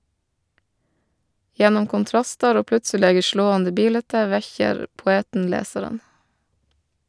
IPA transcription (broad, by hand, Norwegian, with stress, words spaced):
ˈjɛnʊm kʊnˈtɾɑstɑɾ ˈoː ˈplʉtsəleːɡə ˈʃloːɑndə ˈbiːlɛtə ˈʋɛçəɾ pʊˈeːtn̩ ˈleːsɑɾən